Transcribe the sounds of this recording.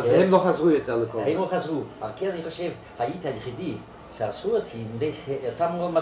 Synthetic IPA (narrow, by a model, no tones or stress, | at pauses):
azemloχazʁujot̪eʁlekoahemloχazʁua̰ʁkeaniχoʃev | hajit̪hajeχid̪i | saʁsuot̪ideot̪amodma